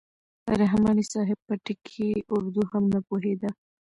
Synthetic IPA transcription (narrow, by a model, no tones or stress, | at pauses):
ɾaɦmɑnisɑɦɪb̚pəʈɪkʰiʊɾd̪uhamnapoɦed̪a